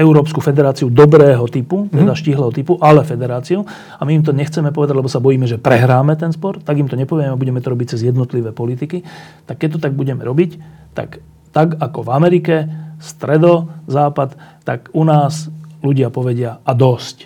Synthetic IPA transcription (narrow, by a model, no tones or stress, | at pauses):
ɛʊɾɔːpskufɛd̪ɛɾaːt͡siud̪ɔbɾɛːɦɔt̪iput̪ɛd̪aʃciɦlɛːɦɔt̪ipuʔalɛfɛd̪ɛɾaːt͡siu | amiːmt̪ɔɲɛxt͡sɛmɛpɔʋɛd̪aɟlɛbɔsabɔjiːmɛʒɛpɾɛɦɾaːmɛt̪ɛnspɔɾt̪aɡimt̪ɔɲɛpɔʋjɛmɛabuɟɛmɛt̪ɔɾɔbic̚t͡sɛzjɛd̪nɔt̪liʋɛːpɔlit̪ikit̪akːɛc̚t̪ɔt̪aɡ̚buɟɛmɛɾɔbic | t̪a̰k | t̪aɡakɔvamɛɾikɛst̪ɾɛd̪ɔzaːpat̪ː | akunaːsluɟɪapɔʋɛɟɪaad̪ɔsc